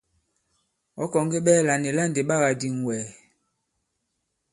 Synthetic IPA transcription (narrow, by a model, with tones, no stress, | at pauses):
ɔ˦kɔ˨ŋ˦ɡe˦ɓɛː˦˨la˨ne˨la˦˨nde˨ɓa˦ɣa˨di˨ŋ˨wɛː˨